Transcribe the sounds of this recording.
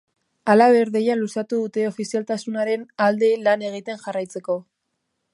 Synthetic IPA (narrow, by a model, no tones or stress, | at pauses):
alaβe̞ɾðejalusat̪uðut̪e̞o̞fisialt̪asunaɾe̞nald̪e̞lane̞ɣ̞it̪e̞nʝarajt͡se̞ko̞